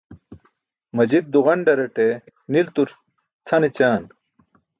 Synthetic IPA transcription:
mɐd͡ʑid̪̚ːuʁɐɳɖɐɾɐʈe | nilt̪uɾ | t͡sʰɐnet͡ɕaːn

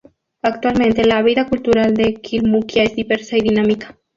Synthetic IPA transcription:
ak̚t̪walmẽ̞nt̪elaβ̞iðakult̪uɾald̪ekʰilmukjaezðiβeɾsaiðinamikḁ

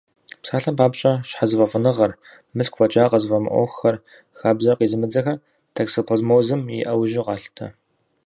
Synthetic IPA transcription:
psaːɬɐmpʰaːpɕʼɐɕħazɨvɐfʊnɨʁɐr | mɨɬkʷʰfɐt͡ʃʼaːqɐzvɐmɨ̰ʔʷɔ̰xɐr | xaːbzɐqiːzɨmɨd͡zɐxɐ | tʰɐksopʰozmoːzɨmjḭʔɐwʒɪqɑːɬtʰɐ̰

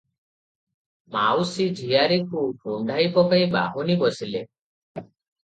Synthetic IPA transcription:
mawsid͡ʒʱijaɾekuɡʱɾoɳɖʱaipɔkajba̰ɦunibɔsile

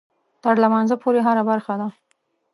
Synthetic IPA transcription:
t̪əɾlamɑnzəpʰoɾeɦaɾabaɾxad̪a

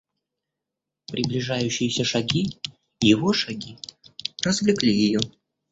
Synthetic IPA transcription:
pɾʲʔɪblʲɪʐajʉɕːɪjɪsʲəʂɐɡʲi | jɪvoʂɐɡʲirəzvlʲɪklʲijɪjo

